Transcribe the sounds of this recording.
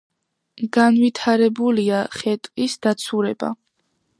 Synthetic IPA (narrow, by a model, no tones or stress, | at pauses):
ɡanvit̪ʰaɾɛbuliaχɛt̪ʼkʼisd̪at̪sʰuɾɛba̰